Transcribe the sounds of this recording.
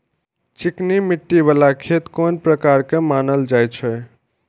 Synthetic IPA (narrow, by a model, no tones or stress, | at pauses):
t͡ʃiknimiʈːiβalakʰet̪konpɾəkaɾkemanəld͡ʒajt͡ʃʰə